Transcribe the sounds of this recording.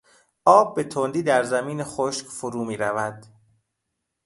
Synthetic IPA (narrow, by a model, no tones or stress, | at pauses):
ʔɒːb̚ːe̞t̪ʰond̪iːd̪æɾzæmiːnexoʃcfoɾuːmiːɾævæd̪̥